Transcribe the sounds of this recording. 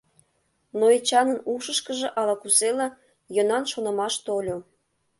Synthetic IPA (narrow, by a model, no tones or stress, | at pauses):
noet͡ɕɑnənuʃəʃkəʒĕʔɑlɑkuselɑ | jɤnɑnʃonə̆mɑʃt̪olʲo